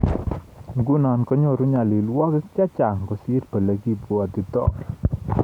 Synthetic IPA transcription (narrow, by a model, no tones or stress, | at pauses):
ŋɡunankɔɲɔɾuɲaliluwakəkt͡ʃat͡ʃaŋkɔsirb̥a̤laɡibuad̪̥i̤t̪ɔ̰ʔ